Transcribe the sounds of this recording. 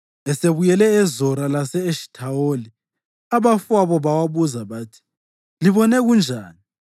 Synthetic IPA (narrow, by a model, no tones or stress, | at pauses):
ɛseβujɛlɛːzɔɾalasɛːʃi̥tʰaoli | aβafwaβɔβawaβuzaβaːtʰi̥ | liβɔnɛɣund͡ʒʱaːni